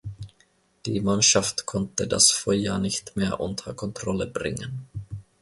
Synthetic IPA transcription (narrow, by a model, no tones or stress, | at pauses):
d̪̥iːmanʃaft̪kʰɔnt̪əda̰sfɔʏɐnɪçt̪meːɐʔʊ̰nt̪ʰɐkʰɔnt̪ɾɔləbɾɪ̰ŋːən